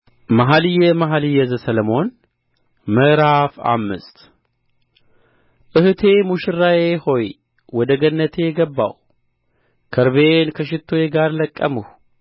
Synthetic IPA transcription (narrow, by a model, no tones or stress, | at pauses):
maɦalɨjɛmaɦalɨjːɛzəsələmo̞n | məʔɾafa̰mːɨ̰st̪ | ʔɨhɨt̪ʰe̞muʃɪrːajeho̞j | wɔd̪əɡənːət̪ʰe̞jɛɡəbːa̰w | kʰəɾβenkʰəʃɪt̪ʰːojeɡaɾləkʼːəmuh